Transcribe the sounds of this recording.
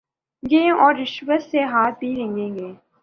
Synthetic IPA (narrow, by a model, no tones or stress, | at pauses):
ɡẽːʔɔːɾːɪʃwəsːeɦaːt̪̚bʱiɾə̃ŋɡẽːɡeː